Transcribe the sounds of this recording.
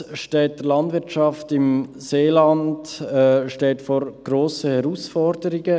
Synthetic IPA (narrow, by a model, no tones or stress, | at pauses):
ʃtɛːt̚d̥əlɑndvɪɾt͡ʃɑftɪmseːlɑndʃtɛːtfɔɾɡ̥ɾoːsəhɛɾuːsfɔɾdəɾɪɡə